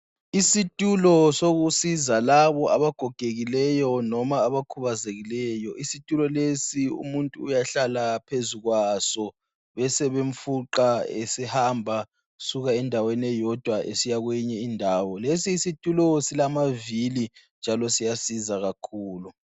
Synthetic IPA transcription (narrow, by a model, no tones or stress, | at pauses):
isitʼulɔsoɣusizalaβɔʔaβaɡ̥ʱɔɡ̥ʱeɣilɛjɔnɔmaːβakʰuβazeɣilɛjɔʔisitʼulɔlesiṵmuntʼuːjaɬalapʰezuɣwasɔ | βɛsɛβeɱ̩fuǃaḛsihambʱa | suɣaɛndʱawenɛjɔd̥ʱwaḛsijaɣwɛɲɛindʱaːwɔlesiːsitʼulɔsilamavilind͡ʒʱalɔsijasizaɣakʰuːlu